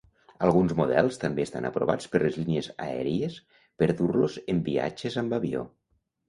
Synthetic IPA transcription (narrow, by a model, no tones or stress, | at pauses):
alˠɣ̞unzmuðɛlˠst̪ambeːst̪anapɾo̰βat͡speɾlezlinieza̰ɛ̰ɾies | peɾðuɾlozembia̰t͡ʃezambaβio̰